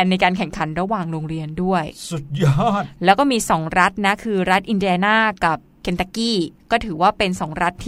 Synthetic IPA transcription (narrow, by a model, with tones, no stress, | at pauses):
nːa˧jkaː˧nkʰɛ˨˩ŋkʰa˩˦nɾa˧waː˨˩ŋɾoː˧ŋɾi˧əndu˥˩əjsu˨˩t̪̚ja˥˩t̚lɛː˦˥wkɔː˥˩miː˧sɔː˩˦ŋɾa˦˥t̪̚na˦˥kʰɯː˧ɾa˦˥t̪̚ʔi˧ndi˧a˧naː˥˩ka˨˩p̚kʰe˧nt̪aː˧kiː˥˩kɔː˥˩t̪ʰɯː˩˦waː˥˩pe˧nsɔː˩˦ŋɾa˦˥t̪ʰː